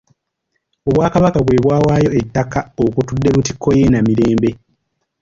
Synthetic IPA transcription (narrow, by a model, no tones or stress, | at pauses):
o̞βwaːkaβakaβwe̞ːβwaːwaːjo̞etːakaokutudːe̞ɾuti̥kʰːo̞je̞namiɾe̞ːmbe̞